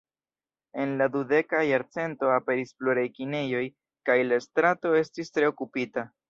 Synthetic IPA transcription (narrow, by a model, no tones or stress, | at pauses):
e̞nladude̞kajaɾt͡se̞nto̞ape̞ɾisfloɾajkine̞jo̞j | kajlastɾato̞e̞stistɾe̞o̞kupita